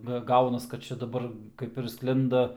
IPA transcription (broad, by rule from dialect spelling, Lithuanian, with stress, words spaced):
ˈɡɐ ˈɡɐʊnɐs kɐt ˈt͡ʃʲɛ dɐˈbɐr ˈkɐɪp ɪr ˈsklʲɪndɐ